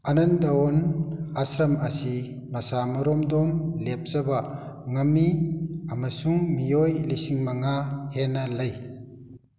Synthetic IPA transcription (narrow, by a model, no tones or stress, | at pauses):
anɐnd̪awɔnasɾɐmasi | mɐsamɐɾɔmdɔmlep̚zɐbaŋɐmːiamasuŋmijojlisiŋmaŋahenɐlɐj